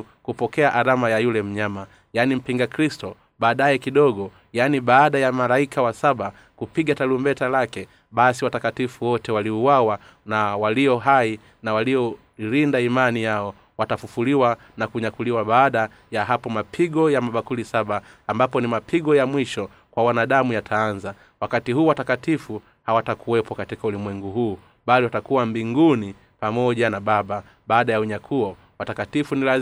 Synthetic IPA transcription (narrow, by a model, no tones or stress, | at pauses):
kupɔkɛaʔaɾamajajulɛm̩ɲama | janim̩piŋɡakɾistɔ | ɓaːɗajɛkiɗɔɡɔ | janiɓaːɗajamalaikʰawasaɓa | kupiɡatalumbɛtalakɛ | ɓasiwatakatifuwɔtɛwaliuwawa | nawaliɔɦai | nawaliɔ | ɾindaimanijaɔ | watafufuliwa | nakuɲakuliwaɓaːɗa | jaɦapɔmapʰiɠɔjamaɓakulisaɓaːmbapɔnimapʰiɠɔjamwiʃɔ | kwawanaɗamujatʰaːnza | wakatiɦuːwatakatifu | hawatakʰuɛpɔkatikaulimwɛŋɡuɦuː | ɓaliwatakuwambiŋɡuni | pamɔʄanaɓaɓa | ɓaːɗajauɲakʰuɔ | watakatifunila